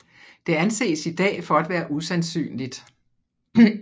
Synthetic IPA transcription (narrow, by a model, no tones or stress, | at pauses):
d̥e̝ænse̝̰ːsid̥ɛ̰ːfɒ̽æd̥ʋæːɐʔusænsy̰ːnlid̥